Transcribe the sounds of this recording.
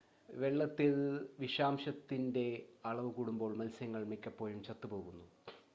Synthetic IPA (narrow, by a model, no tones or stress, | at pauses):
ʋe̞ɭːɐt̪ːilʋiɕaːmɕɐt̪ːinde̞ɐɭɐʋɨkuːɽumbo̞ːɭmɐlsjɐŋːɐɭmekʲːɐpːo̞ːjumt͡ɕɐt̪ːupo̞ːɣunːu